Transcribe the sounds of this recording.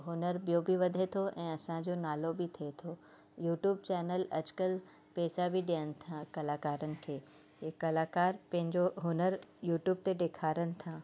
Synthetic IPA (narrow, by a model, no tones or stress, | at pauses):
ɦʊnəɾbijobiʋɐd̪ʱet̪ʰoʔɛ̃ːɐsãd͡ʑoːnaːlobɪt̪ʰiet̪ʰoː | juːʈjuːb̚t͡ɕɛːnəlɐd͡ʑkəl | pɛːsabiɗijənɪ̆t̪ʰãkɐlaːkaːɾənɪ̆kʰeː | kɐlaːkaːɾpɐ̃ɦɪ̃ɲd͡ʑoɦʊnəɾjuːʈjuːb̚t̪eɗeːkʰaːɾənɪ̆t̪ʰaː